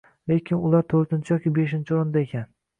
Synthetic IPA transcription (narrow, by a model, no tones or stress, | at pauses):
le̞kʲʰɪnʊlˠaɾt̪ʰɵɾt̪ɪnt͡ʃʰɪjɒkʲibeʃɪnt͡ʃʰɪoɾnd̪aekʲʰan